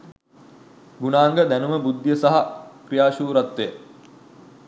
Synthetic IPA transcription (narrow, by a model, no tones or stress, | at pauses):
ɡunaːŋɡəd̪ænuməbud̪ːijəsaɦakrijaːʃuːɾat̪ːe